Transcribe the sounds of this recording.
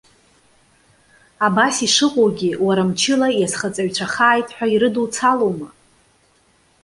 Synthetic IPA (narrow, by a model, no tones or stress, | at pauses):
abasiʂɨqʷʼowɡʲɪwaɾamt͡ʃʰɪlajasχat͡sʼaɥt͡ʃʷʰaχaːjtʼħʷᶣaiɾɨdult͡sʰaloma